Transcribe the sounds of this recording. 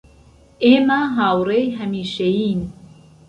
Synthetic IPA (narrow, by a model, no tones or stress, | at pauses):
eːmaɦaːwrejɦɐmiːʃejiːn